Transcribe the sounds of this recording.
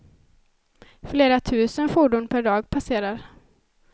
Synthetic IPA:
fleːɾat̪ʰʉ̟ːsənfuɖʊnpʰæɖɑːɡpʰaseːɾaɾ

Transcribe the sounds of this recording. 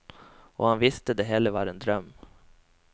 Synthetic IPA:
ɔ̰hanvɪst̪əd̪ɛɦɛlːəɾvɑɾɛnd̪ɾœmː

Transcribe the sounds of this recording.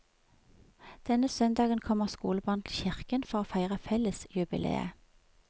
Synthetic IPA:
d̪̥ɛnəsœnd̪ɑːɡənkʰɔməʁskṵːləbɑːʁnt̪ʰl̩çɪʁkənfɔʁoːfæɪʁəfɛləsjʉbɪ̰lʔḛːə̰

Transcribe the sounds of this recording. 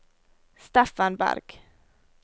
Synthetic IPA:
st̪ɛfanbæ̰ɾɡ̥

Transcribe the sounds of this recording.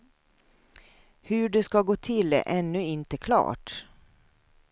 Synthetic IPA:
hɵɖɛskɑɡoːt̪ʰɪlɛ̰ʔɛnːɵɪnt̪əkʰlɑ̰ːʈ

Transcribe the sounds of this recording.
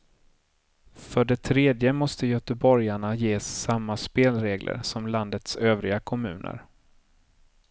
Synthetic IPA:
fœɖɛt̪ʰɾeːd̪jəmɔst̪əjœt̪əbɔɾjaɳajeːsːamːaspeːlɾeːɡlʔə̰ɾsɔmland̪ət̪søːvɾɪɡakʰɔmʉ̟̰ːnʔə̰ɾ

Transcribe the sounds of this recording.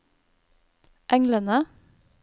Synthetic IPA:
ʔɛŋlənə

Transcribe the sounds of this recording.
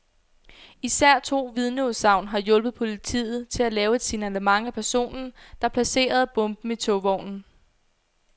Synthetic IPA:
isæɐ̰t͡sʰo̝̰ːʋið̞ˠnosɑ̈ʊ̰nɦɑ̈jɔ̽lb̥ð̩ˠpʰo̝lit͡sʰḭːð̞̩ˠt͡sʰe̝lælɛːʊe̝d̥sinælemɑ̈ŋæpʰæɐso̝̰ːnn̩d̥ɑ̈pʰlæse̝̰ːɐð̞̩ˠb̥ɔ̽mb̥m̩it͡sʰɔʋɒʊ̰nn̩

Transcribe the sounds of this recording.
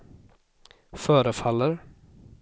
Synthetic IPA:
fœːɾəfalːəɾ

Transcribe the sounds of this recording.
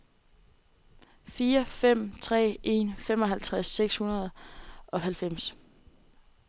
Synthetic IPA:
fiːɐfem̰t͡sʰʁɛ̰ːe̝̰nfem̰ɒ̽ɦælt͡sʰʁasːeɡ̥shunɐð̞̩ˠɒ̽ɦælfem̰s

